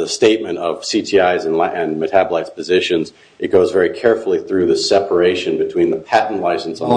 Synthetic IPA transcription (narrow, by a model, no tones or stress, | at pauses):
ðɨsteɪt̚mɨ̃ñtʌv̥sitʰiaɪzɨ̃nɨ̃nmɨtʰæbəlaɪtspʰɨzɪʃɨ̃nz | ɨt̚ɡ̥oʊzvɛɹikʰɛɹfl̩ˠiθɹʉðɨsɛpʰə˞eɪʃɨ̃nbɨtʰw̥ĩnðəpʰæʔn̩laɪsn̩sn̩